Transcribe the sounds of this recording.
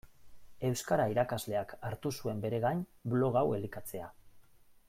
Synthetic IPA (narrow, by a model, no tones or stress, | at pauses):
e̞wskaɾaiɾakazle̞akaɾt̪usue̞mbe̞ɾe̞ɣaɲblo̞ɣ̞awe̞likat͡se̞a